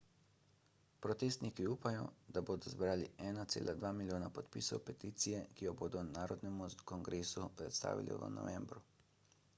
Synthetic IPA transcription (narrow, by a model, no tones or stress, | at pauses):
pɾɔt̪eːst̪nikiuːpajɔ̰d̪aboːd̪ɔzbɾaːliɛːnat̪sḛːlʔad̪ʋaːmilʲjoːnapɔt̪pḭsɔwpɛt̪iːt̪sijɛkijɔboːd̪ɔnaːɾɔd̪nɛmukɔŋɡɾeːsupɾɛt̪st̪a̰ːʋḭlʔḭʋə̰nɔ̰ʋɛmbɾu